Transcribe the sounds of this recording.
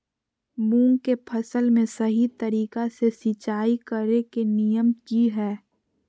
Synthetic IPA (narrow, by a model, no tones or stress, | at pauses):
mũːŋɡkepʰɐsəlmẽsɐɦit̪əɾiːkasesɪt͡ʃaːikəɾekenijəmkiɦɛː